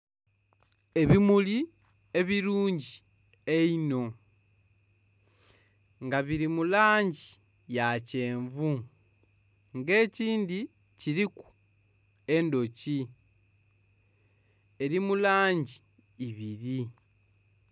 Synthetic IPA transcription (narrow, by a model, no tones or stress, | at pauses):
e̞βimuli | e̞βiɾuːɲɟi | eino̞ | ŋɡaβiɾimulaːɲɟi | jace̞ːɱvu | ŋɡe̞ːciːndi | ciɾiku̥ | e̞ndo̞ci | e̞ɾimulaːɲɟiː | βiɾi